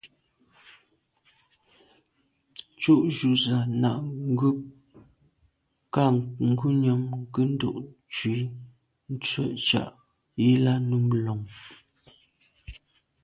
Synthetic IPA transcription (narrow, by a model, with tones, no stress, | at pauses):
t͡ʃu˦˨ʔʒu˨za˨na˨ʔŋ˦ɡʉ˦ | ka˦˨ŋ̩˦ɡu˦ɲə˨ŋkə˦n̩˦do̰˦˨ʔ | t͡ʃwi˨˦ | n̩˦t͡sɥɛ̰˦˨ʔt͡ʃa̰˦˨ʔ | je˦la˦nu˦m˨lɔ˨ŋ